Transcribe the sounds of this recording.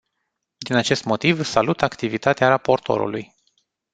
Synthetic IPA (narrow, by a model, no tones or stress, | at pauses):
d̪inat͡ʃe̞st̪mo̞t̪ivsalut̪akt̪ivit̪at̪eaɾapo̞rt̪ʰo̞̰ɾṵlṵj